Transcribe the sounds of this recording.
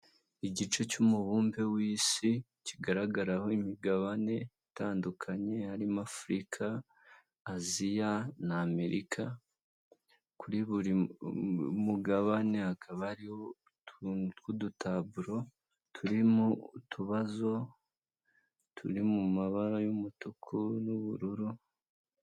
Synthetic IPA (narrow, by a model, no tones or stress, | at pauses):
iɟit͡ʃe̞cumuβuːmbe̞wiːsi | ciɡaɾaɡaɾaho̞imiɡaβane̞itaːndukʰaɲe̞haɾimafuɾikʰaː | zijanaːme̞ɾikʰa | kuɾiβuɾi | muɡaβane̞hakʰaβaɾiho | kudutaβuɾo̞ | tʰuɾimutʰuβazo̞ | tʰuɾimumaβaɾajumutukʰunuβuɾuɾu